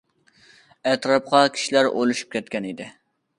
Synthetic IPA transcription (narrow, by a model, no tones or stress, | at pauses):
ɛt̪ɾɑp̚qɑkʲʰi̥ʃilæɾo̰lˠuʃy̥p̚kʲɛt̪̚kʲɛnid̪ɪ